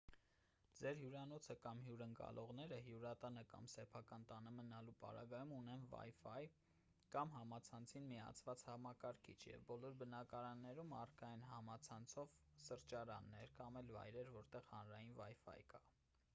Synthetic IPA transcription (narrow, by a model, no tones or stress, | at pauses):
d͡zɛɾɦjuɾɑnɔt͡sʰəkɑmɦjuɾəŋkɑ̰lʔɔʁnɛɾəɦjuɾɑt̪ɑnəkɑ̰msɛpʰɑkɑnt̪ɑnəmənɑlupɑ̰ɾɑ̰ɡɑjumunɛnvɑ̰jfɑj | kɑmɦɑmɑt͡sʰɑnt͡sʰinmiɑ̰t͡sʰvɑt͡shɑmɑkɑɾkʰḭt͡ʃʰjɛ̰vbɔlɔɾbənɑkɑɾɑnːɛɾumɑrkɑjinɦɑmɑt͡sʰɑnt͡sʰɔvsəɾt͡ʃɑɾɑ̰nːɛɾkɑmɛlvɑ̰jɾɛɾvɔɾt̪ɛʁhɑnɾɑjinvɑjfɑ̰jkɑ